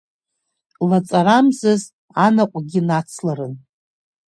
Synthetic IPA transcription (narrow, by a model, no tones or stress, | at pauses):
lat͡sʼaɾamzɨz | anaqʷʼɡʲinat͡sʰlaɾɨn